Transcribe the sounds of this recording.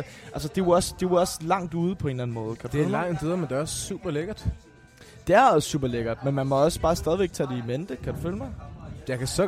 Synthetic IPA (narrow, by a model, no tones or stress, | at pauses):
ʔæls̬əd̥e̝ʋɒ̽sd̥e̝ʋɒ̽slɑ̈ŋ̰d̥uːð̞ˠəpʰɒ̽e̝nlæn̩mɔ̽ːð̞̩ˠkʰæd̥u̥feælmɑ̈ŋ̰d̥ʰeðˠɐmend̥e̝æɒssṵːb̥ɐleɡ̥ɐd̥ | d̥e̝æɐsṵːb̥ɐleɡ̥ɐd̥̚menmænmɒ̽ɒ̽sə̥b̥ɑ̈ːsd̥ɛðˠiʋeɡ̥̚t͡sʰɛːd̥e̝imend̥əkʰæd̥ufølmɑ̈ɪjɑ̈kʰæsɒ